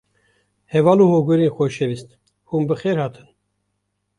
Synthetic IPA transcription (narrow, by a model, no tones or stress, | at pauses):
hɛvɑːluhoɡuɾiːnxoʃɛvist̪ | humbɨxeːɾhɑːt̪ʰɨn